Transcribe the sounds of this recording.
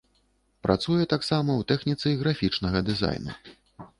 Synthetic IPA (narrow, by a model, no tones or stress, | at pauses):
pɾʔa̰t̪sujɛt̪aksamɐwt̪ɛxnʲit̪sɨjɣɾafʲit͡ʂnɐɣɐd̪ɨza̰jnṵ